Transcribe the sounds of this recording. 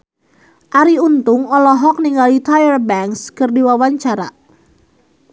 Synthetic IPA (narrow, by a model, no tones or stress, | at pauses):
ʔaɾiunt̪ʊŋɔlɔɦɔk̚niŋɡalit̪ajərbɛŋkskərdiwawaɲt͡ʃaɾa